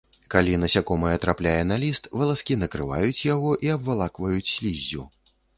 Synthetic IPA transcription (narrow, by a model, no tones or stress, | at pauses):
kalʲinɐsʲakɔmɨjɛt̪ɾaplʲajɛnalʲist̪vɐlˠaskʲinɐkɾɨva̰jut͡sʲjaɣɔʔiɐbvalˠakvɐjut͡sʲsʲlʲizʲːṵ